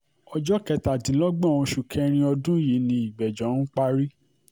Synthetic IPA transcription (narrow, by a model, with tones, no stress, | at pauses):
ɔ˧d͡ʒɔ˦kɛ˧ta˨dĩ˨˦lɔ˦ɡ͡bɔ̃˦˨ũ˧ʃu˨kʰɛ˧˦ɾ̃ĩ˧ɔ˧dũ˦ji˨˦nĩ˧i˨ɡ͡bɛ˨d͡ʒɔ̃˨˦nũ˦k͡pa˦ɾi˦